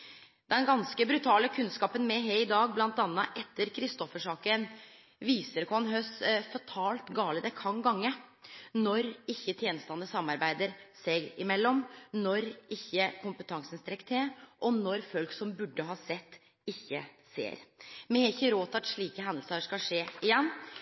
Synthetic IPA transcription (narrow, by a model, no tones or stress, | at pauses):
d̪ɛnɡɑnskəbɾʉt̪ʰɑːləkʰʉnskɑːpənmɛɦeɪd̪ɑːɡ̚blɑnt̪ɑnːəʔɛt̪ʰːəɾkʰɾɪst̪ɔfəʂɑːkən | ʋiːsəɾkːɑnɦœsfɑt̪ʰɑːlt̪ɡɑːləd̪ɛkʰɑŋɡɑŋːənɔɾɪçːət̪ʰjɛːnst̪ɑnːəsɑmɑɾbæɪd̪əɾsɛɡɪmɛlːɔmnɔɾɪçːəkʰʊmpət̪ʰɑŋsənst̪ɾɛkt̪ʰeʔɔnɔɾfœlksɔmbʉɖːəɦɑːsɛt̪ː | ɪçːə̰sḛːɾmɛɪçːəɾoːt̪ɑt̪ʂɭiːkəɦɛnd̪əlsəʂkɑlʂeːɪjɛnː